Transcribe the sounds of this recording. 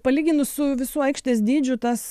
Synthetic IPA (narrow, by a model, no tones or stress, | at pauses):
pɐlʲiːɡʲɪnʊssʊʋʲɪsuːɐɪkʃʲt̪ʲeːsd̪ʲiːd͡ʒʲʊt̪ɐs